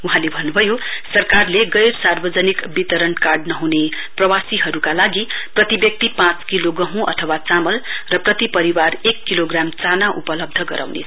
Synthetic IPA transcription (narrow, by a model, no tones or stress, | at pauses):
uɦãlebʱʌnːubʱʌjosʌrkarleɡʌjrsarbʌd͡zʌnikbit̪ʌɾʌnkarɖnʌɦune | prʌwasiɦʌɾukalaɡiprʌt̪ibjʌk̚t̪ipãt͡skiloɡʌɦũʔʌ̰t̪ʰʌwat͡samʌlrʌprʌt̪ipʌɾiwarekːiloɡramt͡sanaʔupʌlʌb̚d̪ʱʌɡʌɾʔa̰wnḛt͡sʰ